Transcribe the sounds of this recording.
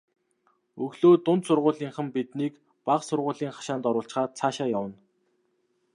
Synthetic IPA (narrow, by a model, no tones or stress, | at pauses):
ɵɣɮoːt̪ʊnt̪sʊrʁʊːɮiːŋχə̆mpit̪niːk | paχsʊrʁʊːɮiːŋχḁʃaːnt̪ɔɾʊːɬt͡ɕχaːt͡sʰaːʃaːjawə̆n